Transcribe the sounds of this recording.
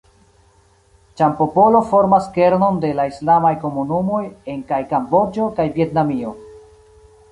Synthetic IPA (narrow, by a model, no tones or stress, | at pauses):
t͡ʃampo̞po̞lo̞fo̞ɾmaske̞ɾno̞nde̞laislamajko̞munumo̞je̞ŋkajkambo̞d͡ʒo̞kajvje̞tnamio̞